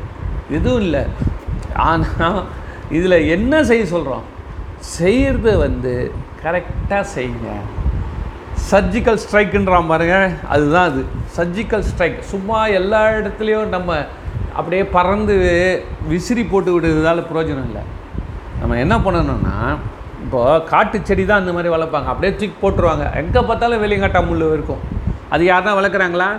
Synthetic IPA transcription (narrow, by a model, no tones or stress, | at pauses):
ɛðɯʋʊ̃ɪlːɐ̰ | a̰ːna | ɪðɪlɐɛnːɐs̬ɛjːɯsɔlɾõ̰ːsɛjɾðɯʋɐnd̪ɯkɐɾɛk̚ʈːaːsɛjːɯŋɡɐ̰ | sɐɾd͡ʒɪkːɐlsʈɾɐɪkːɛɳɖɾãːmpaːɾɯŋɡɐɐ̰ðɯt̪ãːɐðɯsɐɾd͡ʒɪkːɐlsʈɾɐɪksʊmːaːɛlːaːɪɽɐt̪ːɪlɐjʊ̃nɐmːɐ | ɐ̰pːɐɽɪjeːpɐɾɐnd̪ɯʋʋɪsɪɾipoːʈːɯʋɪɽːɯðɯðaːlɐpɪɾoːd͡ʒɐnɐ̃ɪlːɐ̰nɐ̰mːɐɛnːɐpɐɳːɐnʊ̰nːa̰ː | ɪpːoːkaːʈːɯt͡ʃːɛɽit̪ãːɐnd̪ɐmaːd̪ɾiʋɐɭɐpːaːŋɡɐɐpːɐɽɪjeːtɪkːpoːʈːɯɾɯʋaːŋɡɐ̰ʔɛ̰ŋɡɐpaːɾt̪ːaːlɐ̃ʋɛlɪjɐŋaːʈːaːmʊɭːɯɪɾɯkːʊ̃ɐ̰ðɯjaːɾt̪ãːʋɐɭɐɾkːɯɾaːŋɡɐɭaː